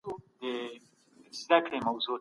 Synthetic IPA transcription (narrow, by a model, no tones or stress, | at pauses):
ud̪ə | zd̪akɽemawzo